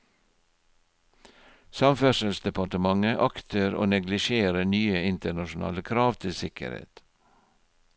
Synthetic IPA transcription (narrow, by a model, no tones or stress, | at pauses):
sɑmfœʃəlsd̪ɛpɑʈəmɑŋəʔɑkt̪ʰəɾo̰ːnɛɡlɪʃeːɾənyːəɪnt̪əɳɑʃʊn̩ɑ̰ːləkʰɾɑːʋt̪ʰɪlsɪkə̰ɾhḛːt̪